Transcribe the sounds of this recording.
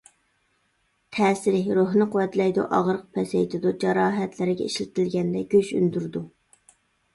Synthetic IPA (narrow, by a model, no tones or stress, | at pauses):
t̪ʰɛːsɪɾɪhɾoɦnɨqʰʊwɛt̪lɛjd̪ṵʔɑʁɾəq̚pʰɛsejt̪ʰɪd̪ud͡ʒɑɾɑːɦɛt̪ʰlɪɾɪɡʲɛ̰iʃlɪt̪ʰɪlɡʲɛnd̪ɛɡʲøʃy̰nd̪yɾd̪u